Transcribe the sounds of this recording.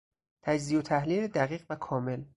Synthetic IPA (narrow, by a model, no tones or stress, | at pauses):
t̪ʰæd͡ʒziːot̪ʰæhliːled̪æɣiːɣvækʰɒːme̞l